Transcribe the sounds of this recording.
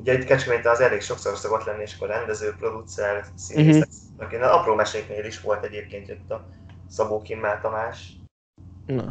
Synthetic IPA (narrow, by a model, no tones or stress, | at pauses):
uɟɛit̪kɛt͡ʃkømeːɲt̪ɛnɒzɛleːkʃo̞kso̞rso̞ɡo̞t̪lɛnːieːʃkorɛnd̪ɛzøːpro̞d̪ut̪sɛlsiːneɛ | ɒkinlɒproːmɛʃeːkneːliʃʋo̞lt̪ɛɟeːp̚keːnt̪jøt̪ːɒ | sɒboːkimːaːt̪ɒmaːʃ | n